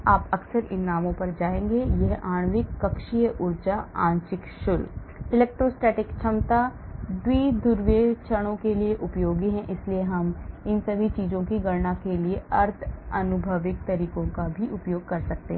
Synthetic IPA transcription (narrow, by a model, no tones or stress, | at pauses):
aːpɐksəɾɪnːaːmõpɐɾd͡ʒaːẽːŋɡejɛɦaːɽ̃ʋɪkːɐkʃijəʔʊɾt͡ʃaãːɲt͡ʃɪkʃʊl | ɪlɛːk̚ʈɾoːsʈeːʈɪkt͡ʃʰɐmt̪ad̪wiːd̪ʊɾʋeːt͡ʃʰəɽ̃õkelieʔʊpjoːɡiɦɛ̃ʔɪslieɦɐmɪnsɐbʱit͡ʃiːzõkiɡɐɽnakelieɐɾt̪ʰɐnʊbʱəʋɪk̚t̪ɐɾiːkõkabʱiʔʊpjoːɡ̚kɐɾsɐk̚t̪ḛɦɛ̃